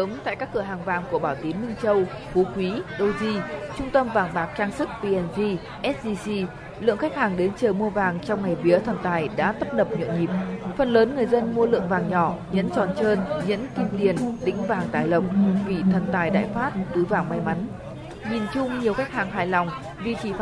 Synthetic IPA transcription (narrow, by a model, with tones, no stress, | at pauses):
əː˨˦mt̪a̰ː˧˨jkaː˦˥kːɨ˧˩əɦaː˨˩ŋvaː˨˩ŋku˧˩əɓaː˧˩wt̪i˨˦ənmï˧ŋt͡ɕə˧w | fu˨˦kwi˨˦ɗo˧wzi˧t͡ɕʊ˧ŋ͡mt̪ə˧mvaː˨˩ŋɓaː˨˩k̚t͡ɕaː˧ŋsɨ˦˥k̚pi˧ʔɛ˧nvi˧ | ʔɛ˦˥t̚ɗi˧si˧ | lɨ̰˧˨əŋxa˦˥k̟̚haː˨˩ŋɗe˨˦nt͡ɕəː˨˩mu˧əvaː˨˩ŋt͡ɕɔ˧wŋ͡mŋa˨˩jvi˨˦ət̪ʰə˨˩nt̪aː˨˩jɗa̰ː˧˥t̪ə˦˥p̚ɗə˨˩p̚ɲə̰˧˨nŋi˨˩p̚fə˨˩nləː˨˦nŋɨ˨˩əjzə˧nmu˧əlɨ̰˧˨əŋvaː˨˩ŋɲɔ˧˩ɲə̰˧˥nt͡ɕɔ˨˩nt͡ɕəː˧nɲə̰˧˥nt̪ʰi˧mt̪i˨˩ənɗ̪ḭ̈˧˥ŋ̟vaː˨˩ŋt̪aː˨˩jlə˨˩k͡p̚vi˨˩t̪ʰə˨˩nt̪aː˨˩jɗa̰ː˧˨jfaː˦˥t̚t̪ɨ˨˦vaː˨˩ŋma˨˦jma˨˦n | ɲi˨˩nt͡ɕʊ˧ŋ͡mɲi˨˩əwxa˦˥k̚haː˨˩ŋɦaː˨˩jlɔ˨˩wŋ͡m | vi˨˩t͡ɕi˧˩